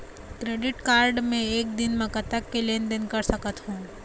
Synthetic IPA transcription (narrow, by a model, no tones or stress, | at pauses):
kɾeːɖɪʈkaːɾɖmẽeːk̚d̪ɪnmɐkɐt̪əkːelẽːnɖənkɐɾsɐkət̪hũː